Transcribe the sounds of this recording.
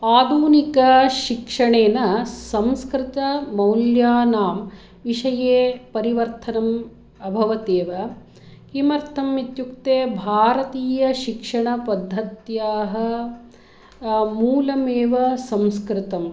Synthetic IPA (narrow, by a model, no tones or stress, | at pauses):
aːd̪ʱuːnikɐʃikʂɐɳeːnɐsɐmskɾɪt̪ɐmɐwljaːnaːm | ʋiʂɐjeːpɐɾiʋɐɾt̪ʰɐnɐm | ɐbʱɐʋɐt̪eːʋɐ | kimɐɾt̪ʰɐmit̪jukt̪eːbʱaːɾɐt̪iːjɐʃikʂɐɳɐpɐd̪ʱːɐt̪jaːɦɐ̆ | muːlɐmeːʋɐsɐmskɾɪt̪ɐm